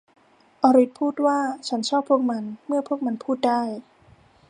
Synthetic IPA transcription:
ʔɔ˧ɾi˦˥t̪̚pʰuː˥˩t̪̚waː˥˩t͡ɕʰa˦˥nt͡ɕʰɔː˥˩pʰːu˥˩ək̚ma˧nmɯ˥˩ɐpʰu˥˩ək̚ma˧npʰuː˥˩t̪̚daː˥˩j

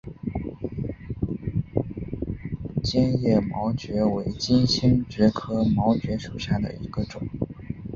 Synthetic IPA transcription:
t͡ɕjɛ˥njɛ˥˩mɑ˧˥ʊt͡ɕɥɛ˧˥we˧˥ɪt͡ɕi˥nɕi˥nt͡ɕɥɛ˧˥kʰɤ˥mɑ˧˥ʊt͡ɕɥɛ˧˥ʂu˨˩ɕja˥˩d̪ə̰˩ḭ˧˥ɡ̥ə˧ʈ͡ʂʊ˨˩˦ŋ

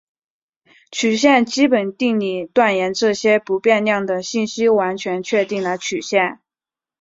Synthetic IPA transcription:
t͡ɕʰy˨˩ɕjɛ˥˩nt͡ɕi˥pə˨˩nt̪i˥˧ŋli˥˩t̪wa˥˩njɛ˧˥nʈ͡ʂɤ˥˩ɕjɛ˥pu˧˥pjɛ˥˧nljɑ˥˩ŋd̪ə˩ɕi˥˩nɕi˥wa˧˥nt͡ɕʰɥɛ˧˥nt͡ɕʰɥɛ˥˧t̪i˥˩ŋlə˧˥ɪt͡ɕʰy˨˩ɕjɛ˥˩n

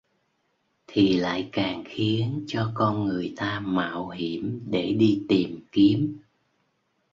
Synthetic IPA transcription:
t̪ʰi˨˩la̰ː˧˨jkaː˨˩ŋxi˨˦ənt͡ɕɔ˧kɔ˧nŋɨ˨˩əjt̪aː˧ma̰ː˧˨wɦi˧˩əmɗe˧˩ɗi˧t̪i˨˩mki˨˦əm

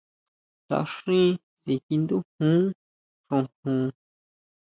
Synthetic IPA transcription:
t̪a̰˨ʂĩ˦ | si˨ki˧nd̪u˦hũ˦ | ʂõ˧hũː˨˧

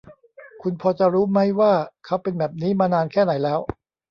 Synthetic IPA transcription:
kʰu˧npʰɔː˧t͡ɕa˨˩ɾuː˦˥ma˦˥jwaː˥˩kʰa˦˥wpe˧nbɛː˨˩p̚niː˦˥maː˧naː˧nkʰɛː˥˩na˩˦jlɛː˦˥w

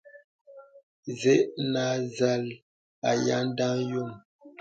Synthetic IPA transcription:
zɛ˦ʔna˨˦za˦˨l | a˨ja̰˦n˦da˦ŋjo˦˨m

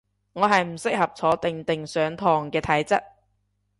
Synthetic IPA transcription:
ŋɔː˨˧ɦɐ˨jm̩˨˩sɪ˥k̚hɐ˨p̚t͡sʰɔː˨˥t̪ɪ˨ŋt̪ɪ˨ŋsœː˨˧ŋt̪ʰɔː˨˩ŋkɛː˧t̪ʰɐ˨˥jt͡sɐ˥t̚

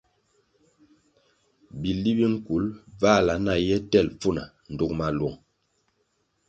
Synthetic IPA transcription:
bi˨li˦bi˦ŋ̩˦ku˨˦lva˦˨la˨˦na˨jɛ˦tɛ˦˨lp͡fu˦˨na˨ | n̩˨du˨kma˨lu˨ŋ

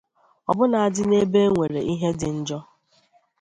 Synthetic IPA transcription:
ɔ̰˨bʊ˦na˨a˨dɪ˦ne˦be˦ŋʷe˨ɾe˨ʔi˦ɦe˦dɪ˨n̩˦d͡ʒɔ˦

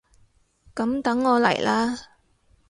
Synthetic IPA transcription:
kɐ˨˥mt̪ɐ˨˥ŋːɔː˨˧lɐ̰˨˩jlʔaː˥

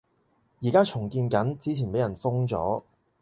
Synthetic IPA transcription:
jiː˨˩kaː˥t͡ʃʰʊ˨˩ŋkiː˧nkɐ˨˥nt͡siː˧˥t͡sʰiː˨˩npe˨˥jɐ˨˩nfʊ˥ŋt͡sɔ̰ː˨˥

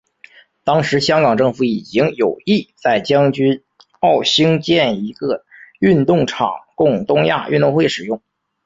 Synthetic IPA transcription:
t̪ɑ˥ŋʂɻ̩˧˥ɕjɑ˥ŋkɑ˨˩ŋʈ͡ʂɤ˥˧ŋfu˧˩i˨˩t͡ɕi˥ŋjo˨˩ʊi˥˩t͡sa˥˩ɪt͡ɕjɑ˥ŋt͡ɕy˥n | ɑ˥˩ʊɕi˥ŋt͡ɕjɛ˥˩ni˧˥ɡə˧y˥˧nt̪ʊ˥˩ŋʈ͡ʂʰɑ̰˨˩ŋkʊ˥˩ŋt̪ʊ˥ŋja̰˥˧ʔy̰˥˧t̪ʊ˥˧ŋxwe˥˩ɪʂɻ̩˨˩jʊ˥˩ŋ

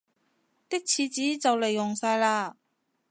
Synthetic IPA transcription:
t̪ɪ˥k̚t͡sʰiː˨˧t͡siː˨˥t͡sɐ˨wle˨˩jːʊ˨˩ŋsaː˧jlaː˧

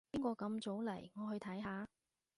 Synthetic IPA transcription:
iː˥ŋkʷɔː˧kɐ˨˧mt͡so˨˥wlɐ˨˩jŋɔː˨˧hɵ˧ɥt̪ʰɐ˨˥jɦaː˨˧

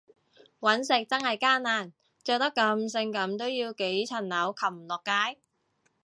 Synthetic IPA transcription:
wɐ˨˥nsɪ˨˧k̚t͡sɐ˥ŋhɐ˨jkaː˥nnaː˨˩n | t͡ʃœː˨˧k̚t̪ɐ˥kːɐ˧ms̬ɪ˧ŋkɐ˨˥mt̪o˥wjiː˧wke˨˥jt͡sʰɐ˨˩nnɐ˨˥wkʰɐ˨˩p̚m̩˨˩lɔː˨kːaː˥j

